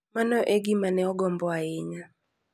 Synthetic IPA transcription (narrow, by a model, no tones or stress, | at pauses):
manɔʔeɡimanɛɔɡɔmbɔaɪɲa